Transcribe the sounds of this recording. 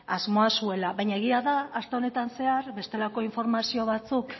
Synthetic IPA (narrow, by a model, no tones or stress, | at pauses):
azmo̞asue̞laβajɲaeɣ̞iaðaːst̪e̞o̞ne̞t̪anse̞aɾbe̞st̪e̞lako̞iɱfo̞ɾmasio̞β̞at͡suk